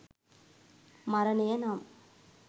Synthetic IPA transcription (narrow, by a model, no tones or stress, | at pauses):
mɐɾɐnejɐnaːm